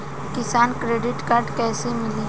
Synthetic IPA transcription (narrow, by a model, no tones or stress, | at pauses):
kɪsaːnkɾeːɖɪʈkaːɾɖkɛːsemɪliː